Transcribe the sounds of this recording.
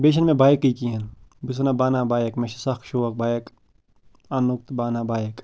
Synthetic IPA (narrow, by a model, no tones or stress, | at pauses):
beːʃ̬ɐnmẽbaːjekːikienbis̬nabaːnaːbaːjekmẽʃɐsɐxkʃoːʋɐk̚baːjek | anuk̚t̪baːnabaːjek